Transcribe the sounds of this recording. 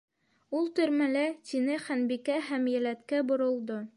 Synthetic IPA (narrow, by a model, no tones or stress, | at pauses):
ulˠt̪ɵ̆ɾmælæt̪inɘχænbikæɦæmjæ̆læt̪kæbŏɾŏlˠd̪o